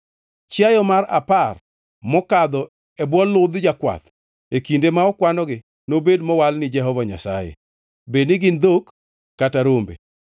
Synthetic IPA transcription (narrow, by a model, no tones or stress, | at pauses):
t͡ʃjajɔmara̰par | mɔkad̪ɔ | ɛbwɔlːʊd̪d͡ʒakwa̰t̪ | ekindemaɔkwanɔɡɪ | nobedmɔwalnɪd͡ʒɛɦɔvaɲa̰sa̰jḛ | bednɪɡɪnd̪okː | ataɾombḛ